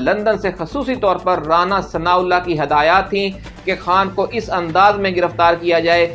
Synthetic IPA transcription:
lɐ̃nd̪ənsexɐsuːsit̪ɔːɾpɐɾːaːnasɐnaːʊlːakiɦɐd̪aːjaːt̪ʰːĩ | kexaːnkoʔɪsɐ̃nd̪aːzmẽɡɪɾəft̪aːɾkijad͡ʒaːeː

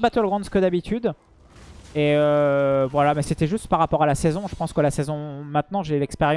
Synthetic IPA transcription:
bat̪ɛləɡʁɑ̃d̪skəd̪abit̪ʰyd̪ | eøvwalamɛset̪ɛʒyst̪paʁːapɔʁalasɛzɔ̃ʒəpɑ̃skəlasezɔ̃mɛ̃t̪nɑ̃ʒelɛkspeʁj̃

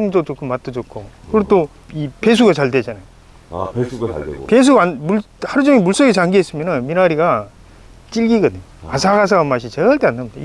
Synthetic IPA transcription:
ŋd͡ʑot͡ɕ͈ok͈ɯmːat͈ɯd͡ʑokʰokɯɾet͈o | ipe̞s̬ʰuɡat͡ɕaɭdwed͡ʑanajo | pes̬ʰuɡanmuɭ | haɾud͡ʑʌŋimuɭs͈ʌɡet͡ɕaŋɡiɦes͈ɯmjʌnanminaɾiɡa | t͡ɕ͈iɭɡiɡʌdɯɲoasʰaɡas̬ʰaamaɕ̬ʰit͡ɕeɡaɭt͈eanːamidai

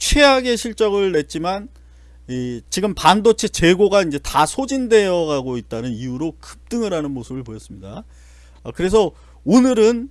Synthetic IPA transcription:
t͡ɕʰwe̞aɡe̞ɕʰiɭt͡ɕ͈ʌɡɯɭne̞t̚t͡ɕ͈iman | it͡ɕiɡɯmpandot͡ɕʰet͡ɕe̞ɡoɡaind͡ʑe̞tasʰod͡ʑinde̞jʌɡaɡoit̚t͈anɯniuɾokɯ̥p̚t͈ɯŋiɾanɯnmosʰɯbɯɭpojʌs͈ɯmɲida | kɯɾe̞sʰʌ | onɯɾɯn

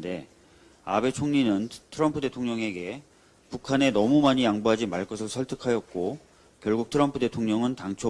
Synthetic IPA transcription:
de̞ | a̰be̞t͡ɕʰoŋɲinɯntʰɯɾʌmpʰɯde̞tʰoŋɲʌŋe̞ɡe̞ | pukʰane̞nʌmumaɲijaŋbuɦad͡ʑimaɭk͈ʌsʰɯɭsʰʌɭtʰɯ̥kʰajʌt̚k͈o | kjʌɭɡuk̚tʰɯɾʌmpʰɯde̞tʰoŋɲʌŋɯntaŋt͡ɕʰo

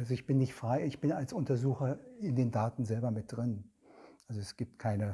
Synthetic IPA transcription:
ʔalzoɪçb̥ɪnːɪçtfʁ̥aɪɪçb̥ɪnalsʊntɐzuːxɐɪndeːndaːtn̩zɛlbɐmɪt̚d̥ʁɪn | ʔalzoɛsɡ̥iːp̚tkʰaɪnə

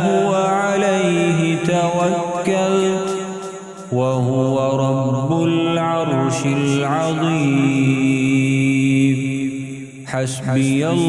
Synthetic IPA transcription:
hʊwaʕalajɦɪt̪awakːalt̪ | waɦʊwaɾˤɑbːʊlʕɑɾˤʃɪlʕɑðˤiː | m | ħasbɪja

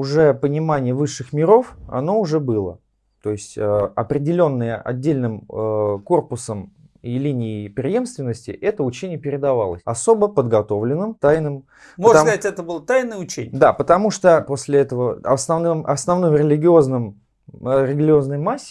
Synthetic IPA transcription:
ʊʐɛpənʲɪmanʲɪjəvɨʂːɨxmʲɪɾo̞fɐ̰no̞ʊʐɛbɨlˠə̰ | t̪o̞jɪsʲtʲəɐpɾʲɪdʲɪlʲo̞nːɨjəʔɐ̰dʲːelʲnɨmko̞rpʊsəm | ilʲinʲɪːpɾʲɪje̞mst̪vʲɪnːəsʲtʲɪ̰ʔɛt̪əʊt͡ɕenʲɪjəpʲɪɾʲɪd̪ɐva̰lˠəsʲɐso̞bəpəd̪ɡɐt̪o̞vlʲɪnːɨmt̪ajnɨm | mpəoʐskztʲɛt̪əbɨlˠət̪ajnəjəʊt͡ɕenʲɪjd̪apət̪ɐmuʂt̪opo̞sʲlʲɪɛt̪əvəɐsnɐvnɨmʔɐsnɐvnɨmɾʲɪlʲɪɡʲɪo̞znɨm | ɾʲɪɡʲlʲɪo̞znəjmasʲːɪ

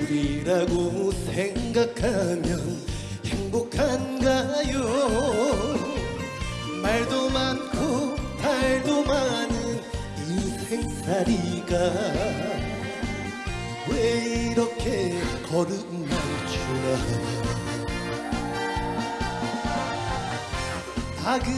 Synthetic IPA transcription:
ɾiɾaɡosʰeŋɡakʰamjʌn | heŋbokʰanɡajo | maɭd̪omankʰotaɭd̪omanɯn | iseŋsaɾiɡa | weiɾʌkʰekʌɾɯ | mant͡ɕʰuɾaɦa | aɡɯ

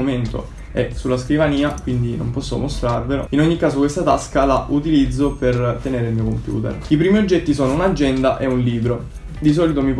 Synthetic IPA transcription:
ment̪o̰ | ɛsulːaskɾivaniːakwind̪ino̰mpɔsːo̰most̪ɾarvelo̰inoɲːikːaːsokwest̪at̪askalaʔut̪ilid̪zːopert̪eneːɾemiːokompjṵːt̪ḛripɾiːmiod͡ʒːɛt̪ːisoːnounad͡ʒːɛnd̪aʔɛunliːbɾo | d̪is̬ɔːlit̪omip

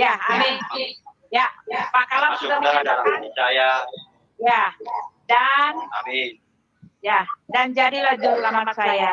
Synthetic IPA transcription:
jaami | japakalasəmaaaaja | jadan | jadand͡ʒadilad͡ʒʊɾlamamasajja

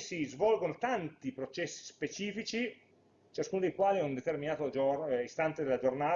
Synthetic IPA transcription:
sizvɔlɡonot̪ant̪ipɾot͡ʃɛsːi̥spet͡ʃiːfit͡ʃi | t͡ʃaskuːnod̪ejkwaːliɛund̪et̪erminaːt̪od͡ʒoist̪ant̪ed̪elːad͡ʒornaː

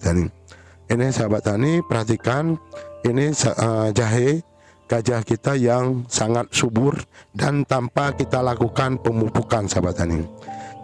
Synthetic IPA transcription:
t̪aniŋ | inisabat̪anipərhat̪ikaninisad͡ʒaɦe | ɡ̥ad͡ʒahkit̪ajaŋsaŋat̪̚subʊrdant̪ampakit̪alakukanpəmupukansabat̪anɪŋ

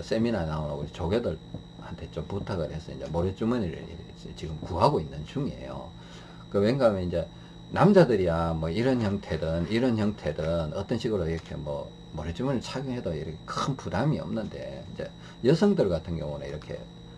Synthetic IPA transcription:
s͈e̞minanaonaɡot͡ɕoɡedɯɭ | hantʰet͡ɕ͈omputʰaɡɯɭhe̞sʰʌind͡ʑḛmoɾet͡ɕ͈umɯni | t͡ɕiɡɯmkuɦaɡoinːɯnt͡ɕuŋie̞̰jo̰ | kɯweŋɡamjʌnind͡ʑe̞ | namd͡ʑadɯɾijamʌiɾʌnçjʌŋtʰe̞dɯniɾʌnçjʌŋtʰe̞dɯnʌt͈ʌnɕʰiɡɯɾoiɾʌkʰe̞̰mwʌ̰ | moɾet͡ɕ͈umɯniɭt͡ɕʰaɡjɯŋɦedoiɾʌkʰekɯɯnpudamiʌ̰mnɯnde̞̰ind͡ʑe̞̰ | jʌsʰʌŋdɯɭɡatʰɯnɡjʌ̰ŋunɯ̰ḭɾʌkʰe̞̰

